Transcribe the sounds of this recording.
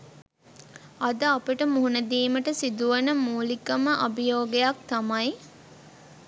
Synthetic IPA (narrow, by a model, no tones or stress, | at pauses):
ɐd̪əapəʈəmuɦunəd̪iːməʈəsid̪uʋənəmuːlikɐməʔɐbijoːɡejak̚t̪amɐj